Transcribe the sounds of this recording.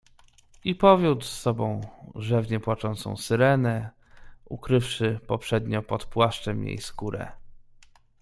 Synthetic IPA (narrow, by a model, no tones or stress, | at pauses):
ipɔvʲjut̪sːɔbɔ̃w̃ʐɛvɲɛpwat͡ʂɔnt̪sɔ̰̃w̃sɘɾɛnɛ | ukɾɘfʂɘpɔpʂɛd̪ɲɔpɔt̪pwaʂt͡ʂɛmjḛjskuɾɛ̰